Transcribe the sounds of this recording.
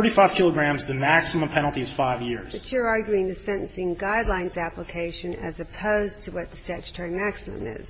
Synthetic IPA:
θə˞ɾifaɪv̥kʰɪlˠəɡɹæ̃mzðɨmæksəmə̃mpʰɛnl̩ˠtiɨz̥faɪvjɪɹz̥ðɨt͡ʃə˞ɑɹɡjʉɪ̃ŋðɨsɛ̃ɾ̃ɨ̃n̩sɪ̃nɡaɪdˡlãɪ̃nzæpləkʰeɪʃɨ̃nɨ̰zɨpʰoʊztʰɨwʌt̪̚ðɨstæt͡ʃɨ̥tʰɔɹimæksəmə̰̃mɪ̰z̥

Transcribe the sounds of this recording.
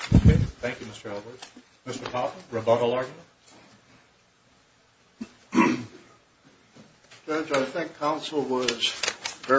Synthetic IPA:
keθæ̃ŋkjʉmɪstə˞ɛlˠwə˞d̥̚ | mɪstə˞pʰɑˑtə̃ɹɨbʌvəlˠɑɹɡjmə̃n | d͡ʒɜd͡ʒaɪθɪ̃ŋkʰãʊ̃nsl̩ˠwʌz̥vɛ

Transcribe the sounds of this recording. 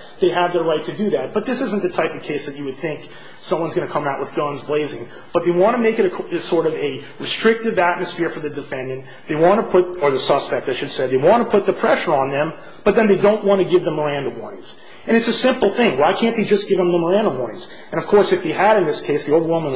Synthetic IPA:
ðeɪɨvðə˞ɹaɪtʰɨdɨðæt̚b̥ʌt̪̚ðɪsɪz̃n̩ðɨtʰaɪpʌv̥kʰeɪsðɨt͡ʃɨwɨd̪̚θɪ̃ŋk | sʌ̃mwʌ̃nzɡʌnɨkʰʌ̃maʊʔ̚wəðɡʌ̃nzbleɪzɪ̃ŋ | b̥ʌt̪̚ðeɪwɑ̃nɨmeɪkɨɾɨɨsɔɹɾʌvɨɹɨstɹ̥ɪk̚tɨvæt̚mɨsfɪɹfə˞ðɨdɨfɛ̃ndɨ̃n | ðeɪwɑ̃nɨpʰʊt̪̚ə˞ðɨsʌspɛk̚tɨɪʃɨd̥sɛðeɪwɑ̃ntʰəpʰʊt̪̚ðɨpʰɹ̥ɛʃə˞ə̃nðɨ̃m | b̥ʌt̪̚ðɨ̃nðeɪdõʊ̃nʔ̚wɑ̃ñɨɡɪvðə̃mːə˞æ̃ndə̃mwɔ̃ɪ̃ŋz̥ | ɨ̃ɾ̃ɨtsɨsɪ̃mpl̩ˠθɪ̃ŋwaɪkʰæ̃nðeɪd͡ʒʌsɡ̥ɪvə̃mðə̃mə˞æ̃ndə̃mwɔ̃ɪ̃ŋz̥ | ɨ̃nʌv̥kʰɔɹsɨfðeɪəɾɨ̃nðɪskʰeɪsðioʊəwɪmə̃n

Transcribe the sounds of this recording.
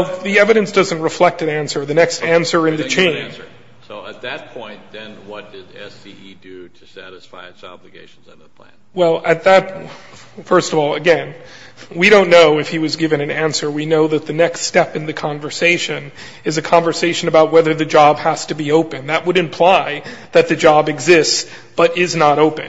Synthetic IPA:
lˠðiɛvɨɾɨ̃nsd̥ʌzɨ̃nʔ̚ɹɨflɛk̚tɨ̃næ̃nsə˞ðɨnɛkstæ̃nsə˞ɨ̃nðɨt͡ʃʰẽɪ̃nə˞ | soʊət̪̚ðɨt̚pʰɔ̃ɪ̃nðɨ̃nwʌt̚d̥ɪɾɛ̰siidɨɾɨsæ̰ɾɨsfa̰ɪɨsɑ̰blɨɡeɪʃn̩zɨ̰̃n̩ðəpʰl̥æ̰̃nwɛlˠʔɨt̪̚ðɨt̚ | fɜ˞stʌvɔlˠɨɡɛ̃n | wiɾõʊ̃nːoʊɨfhiwʌzɡɪvɨ̃ñɨ̃næ̃nsə˞winoʊðɨt̪̚ðɨnɛkststɛpɨ̃nðɨkʰɑ̃ɱvə˞seɪʃɨ̃n | ɨzɨkʰɑ̃ɱvə˞seɪʃɨ̃nɨbaʊt̚wɛðə˞ðɨd͡ʒɑbhæstɨbioʊpɨ̃nðɨʔ̚wəɾɨ̃mpʰl̥aɪðɨt̪̚ðɨd͡ʒɑbɨɡzɪsts | b̥ʌɾɪznəɾoʊpɨ̃n

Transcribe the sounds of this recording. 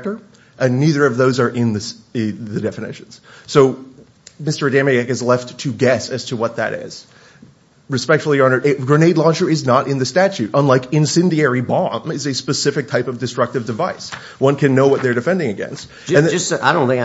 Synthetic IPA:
tə˞ | ʔɨ̃nːiðə˞ʌvðoʊzə˞ʔɪ̃nðɨsɪðɨdɛfɨnɪ̰ʃn̩z̥soʊ | mɪstə˞dæ̃mɨækɨzlɛftʰɨɡɛsɨz̥tʰəwʌt̪̚ðɨ̰ɾɪ̰z̥ | ɹɨspɛk̚tfl̩ˠiɑnə˞ɡɹɨneɪdˡlɔd͡ʒə˞ɨznəɾʔɨ̃nðɨstæt͡ʃʉɾə̃nlaɪkɨ̃nsɪ̃ndiɛɹibɑ̃mɨzɨspɨsɪfɨk̚tʰaɪpʌvdɨstɹ̥ʌk̚tɨvdɨvaɪs | wʌ̃nkʰɨ̃nːoʊwʌt̪̚ðə˞dɨfɛ̃ndɪ̃ŋɨɡɛ̰̃nst̚ | ɨ̃na̰ɪɾõʊ̃nθɪ̃ŋk

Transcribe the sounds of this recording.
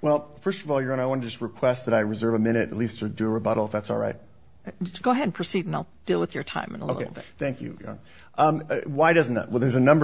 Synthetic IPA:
wɛlˠfɜ˞stʌvɔlˠjə˞ʌ̃naɪwɑ̃ntɨd͡ʒʌst̚ɹɨkʰw̥ɛst̪̚ðɨɾaɪɹɨzɜ˞vɨmɪ̃ɾ̃ɨɾɨtˡlistʰədɨəɹɨbʌɾl̩ˠəfðætsɔ̰lˠɹa̰ɪt̚ | ɡ̥oʊəɦɛɾn̩pʰɹ̥ɨsiɾ̃naɪlˠd̥ilˠwəðjə˞tʰã̰ɪ̃mɨ̃nə̰loʊɪ̰keɪl̩ˠbɪθæ̃ŋkʰjʉ̰jə̰˞ʌ̰̃n | ʔʌ̃mʌwaɪɾʌzn̩ðə̰t̚wɛlˠðə˞zɨnʌ̃mbə

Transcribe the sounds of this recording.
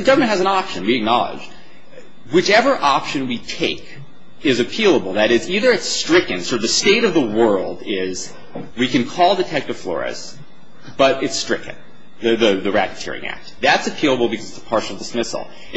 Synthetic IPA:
ðɨɡʌvə˞mɨ̃nthɨzɨ̃nɑpʃɨ̃nwiɨk̚nɑlˠə̰d͡ʒ | wɨt͡ʃɛvə˞ʔɑpʃɨ̃nwitʰeɪk | ɪzɨpʰilˠəbl̩ˠðɨɾɪziðə˞ɨtstɹ̥ɪkɨ̃nsə˞ðɨsteɪɾʌvðəwɜ˞lˠdɪz | wikɨ̃nkʰɔlˠdɨtʰɛk̚tɨv̥flɔ̰ɹɨ̰s | b̥ʌɾɨtstɹ̥ɪkɨ̰̃n | ðɨðɨðɨɹæ̰ɾɨtʰɪ̰ɹɪ̰̃ŋæ̰k̚t̪̚ðætsɨpʰilˠəbl̩ˠbɨkʰʌzɨtsə̥pʰɑɹʃl̩ˠdəsmɪsl̩ˠ

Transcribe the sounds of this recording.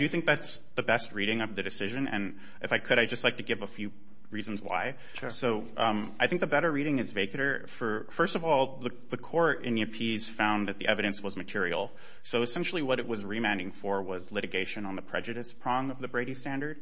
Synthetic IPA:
dɨjɨθɪ̃ŋk̚ðæts | ðɨbɛst̚ɹiɾɪ̃ŋʌvðɨdɨsɪʒɨ̃nɨ̰̃n | ʔɨfaɪkʰɨɾaɪd͡ʒʌstˡlaɪk̚tʰɨɡɪvəfjʉ | ɹiz̃n̩zwa̰ɪ | soʊʔʌ̃maɪθɪ̃ŋk̚ðɨbɛɾə˞ɹiɾɪ̃ŋɨzveɪkɨɾə˞fə˞fɜ˞stʌvɔlˠðə | ðɨkʰɔɹɾɪ̰̃nɨpʰiz̥fãʊ̃nðɨt̪̚ðḭʔɛvɨɾɨ̃nswʌzmɨtʰɪɹil̩ˠ | soʊɨsɛ̃nʃl̩ˠiwʌɾɨʔ̚wʌzɹimãndɪ̃ŋfə˞wʌzlɪɾɨɡeɪʃɨ̃nə̃nðəpʰɹ̥ɛ̰d͡ʒɨɾɨspʰɹ̥ɑ̃ŋʌvðɨbɹeɪɾistæ̃ndə˞d̥̚

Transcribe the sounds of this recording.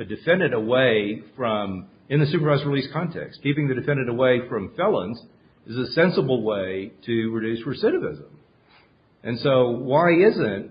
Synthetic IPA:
ɨdɨfɛ̃ndɨ̃ɾəweɪfɹʌ̃m | ɨ̃nðɨsʉpə˞vaɪzɹiliskʰɑ̃ntʰɛ̰kskʰipɪ̃ŋðɨdɨfɛ̃ndɨ̃ɾ̃əweɪfɹʌ̃ɱfɛlˠə̃nz | ɨzɨsɛ̃nsəbl̩ˠweɪɾɨɹɨdʉsɹəsɪɾɨvɪ̰zə̃m | ʔɨ̃nsoʊwaɪɪzɨ̃nt̚

